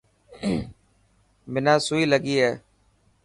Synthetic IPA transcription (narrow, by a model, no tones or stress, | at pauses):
mɪnãːsuiːləɡiːɦɛː